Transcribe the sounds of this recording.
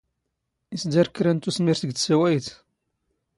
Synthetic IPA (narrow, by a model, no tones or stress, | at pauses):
isd̪aɾkːɾænt̪usmiɾθəɡt̪sæwæjθ